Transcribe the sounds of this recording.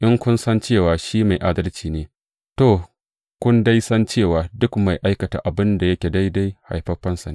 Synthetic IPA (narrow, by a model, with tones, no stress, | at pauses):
ʔɪ˦ŋkʷʊ˦nsɐ˦nt͡ʃeː˦˨waː˨ʃiː˦ma˨jʔa˦dɐ˦lt͡ʃiː˨neː˦ | toː˨ | kʷʊ˦nda˦jsɐ˦nt͡ʃeː˦˨waː˨dʊ˦kma˨jʔa˦jkɐ˨ta̰˨ʔa˨bɪ˦nda˨jɐ˦kʲe˨da˦jda˦jha̰˨jɸɐ˦ɸɐ˦nsa˨ne˦